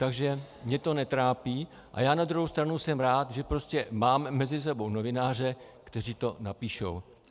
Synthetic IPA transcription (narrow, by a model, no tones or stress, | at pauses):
t̪aɡʒɛmɲɛt̪o̞nɛt̪ɾaːpiː | ʔa̰jaːnad̪ɾuɦowst̪ɾanusɛmɾaːt̪ʒɛpɾo̞scɛmaːmːɛzɪs̬ɛbo̞wnovɪnaːr̝ɛkt̪ɛr̝iːt̪o̞napiːʃo̰w